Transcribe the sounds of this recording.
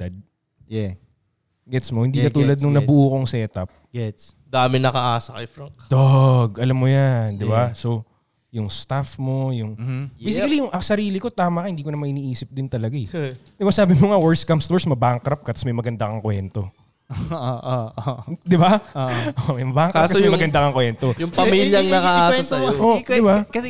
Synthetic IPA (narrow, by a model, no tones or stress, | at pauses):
d̪̥ɐd̪̚ | ɛ | ɡɛt̪smohɪnd̪ikɐt̪uːlɐd̪̚nʊŋnɐbʊʔuːkoŋsɛːt̪ɐp̚ɡɛt̪s | d̪aːmɪnɐkɐʔaːsɐkɐjfɾɐŋkd̪oɡʔɐlamːojand̪ɪbaso | jʊŋst̪afmo̞jʊŋejs̬ɪkɐlijʊŋʔɐsɐɾiːlɪko̞t̪aːmɐkɐhɪnd̪iːkonɐmaŋɪniːʔiːsɪp̚d̪ɪnt̪ɐlɐɡad̪ɪbasaːbɪmoŋawɛɹskɐmst̪oɹsmɐbaŋkɾɐp̚kɐt̪ɐsmɐjmɐɡɐnd̪akɐŋkwɛ̰nt̪o̞ | ʔoʔod̪ɪbaoʔomɐjmɐbaːʔɐŋkaskɐmjmɐɡɐnd̪akɐŋkwɛnt̪ojʊŋpɐmiːljɐŋnɐkɐʔaːsɛɐoɪbakɐɛ